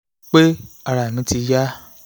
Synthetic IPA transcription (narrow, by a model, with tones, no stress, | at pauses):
k͡pe˦ | a˧ɾa˨mĩ˨˦ti˧ja˦